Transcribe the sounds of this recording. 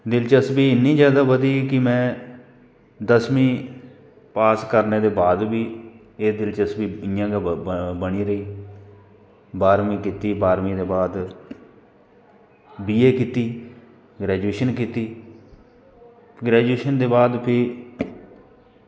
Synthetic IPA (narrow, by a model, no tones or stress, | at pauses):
d̪ɪlt͡ʃəsbiːɪnːĩːzjaːd̪aːʋəd̪iːkɪmɛ̃ː | d̪əsmĩː | paːskəɾneːd̪eːbaːd̪biː | eːd̪ɪlt͡ʃəsbiːɪjãːɡabəɽ̃iːɾəiː | baːɾmĩːkiːt̪iːbaːɾmĩːd̪eːbaːd̪ | biːeːkiːt̪iː | ɡɾɛːd͡ʒueːʃənkiːt̪iː | ɡɾɛːd͡ʒueːʃənd̪eːbaːd̪pʰɪ